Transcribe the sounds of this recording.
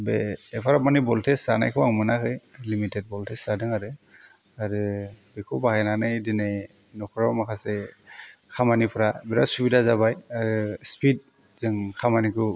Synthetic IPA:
bɛɛpʰaɾap̚manibɔltʰɛsana̰jkʰɯwaŋmɯnakɯjlimitɛt̚bɔltʰɛsadɯŋaɾɯ | aɹɯbɛkʰubakajnanajdinej | nɔkʰɔɹɔmakʰasɛ | kʰamanipʰɔɾabɛɾasubidazabajaɹɯspid̚ | zɯŋkʰamanikɯ

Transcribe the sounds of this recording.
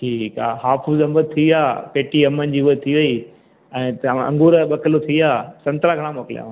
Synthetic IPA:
ʈʰiːka̰ːɦaːfuzɐmbət̪̚t̪ʰiaːpeːʈiɐmənd͡ʑiːuət̪ʰiʋɐi | ɛ̃ːɐ̰̃ŋɡuːɾɓɐkəlot̪ʰiaːsɐ̃nt̪ɾaɡʱɐɽ̃ãmoːkɪlja̰ːʋ̃

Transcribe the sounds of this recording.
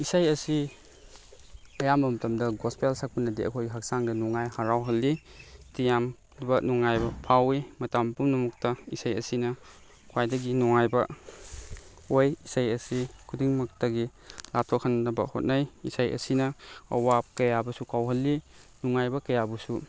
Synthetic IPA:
isajɐsi | ɐjamɐmɐtɐmdɐɡɔspelsak̚pɐnɐdiʔɐ̰kʰojɡiɦɐk̚saŋdɐnuŋajhaɾawɦɐlːi | tijam | bɐnuŋajbɐpʰawimɐtampumnɐmuk̚tɐisajɐ̰sinɐ | kʰwajdɐɡinuŋajbɐ | ojisajɐsikʰudiŋmɐk̚tɐɡi | lap̚tʰokʰannɐbɐ̰ho̰t̚najisajɐ̰sinɐɐwap̚kɐjabɐsukawɦɐlːinuŋajbɐkɐjabusu

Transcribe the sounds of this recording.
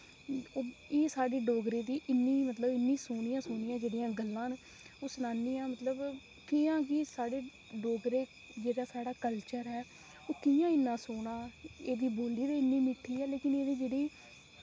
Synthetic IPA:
oːeːsaːɽeːɖoːɡɾeːd̪iːʔɪnːiːmət̪ləbɪnːĩːsoːɽɪjãːsʊːɳɪjãːd͡ʒeːɽɪjãːɡəlːãːn | oːsʊnaːniːãːmət̪ləb | kɪːãːkɪːsaːɽeː | ɖoːɡɾeː | d͡ʒeːɽaːsaːɽaːkəlt͡ʃəɾɦɛː | oːkɪjãːɪnːãːsoːɽãːeːd̪iːboːliːd̪eːɪnːiːmɪʈʰːiːɛːleːkɪneːd̪iːd͡ʒeːɽiː

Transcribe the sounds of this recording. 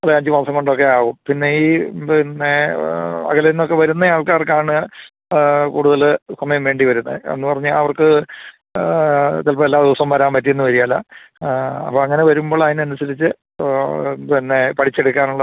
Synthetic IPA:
ɐðeɐɲd͡ʑɨmɐrsɐŋko̞ɳɖo̞kːe̞aːɣumpinːeiːinːe | ɐ̰ɣɐlinːokːe̞ʋɐɾunːɐjaːɭkaːrkaːɳɨ | kuːɽuðɐlsɐmɐjɐmʋe̞ːɳɖiʋɐɾunːɐ̰ḛnːɨpɐrɐɲːaɐʋɐrkɨ | t̪ɐlpɐelːaːd̪iʋɐsɐmʋɐɾaːmpɐtːijenːɨʋɐɾijaːla̰ | ɐ̰pːoːɐŋːɐne̞ʋɐɾumbo̞ːɭɐðinɨɐnusɐɾit͡ɕːɨ | inːepɐʈʰit͡ɕːeɽukːaːnuɭːɐ

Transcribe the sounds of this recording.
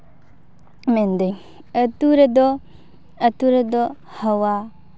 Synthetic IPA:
mɛnd̪əŋ | ət̪uɾəd̪ɔ | ət̪uɾəd̪ɔ | həwa

